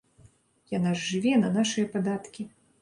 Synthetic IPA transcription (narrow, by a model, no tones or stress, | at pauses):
janaʐːɨvʲɛnɐnaʂɨjɐpad̪at̪kʲi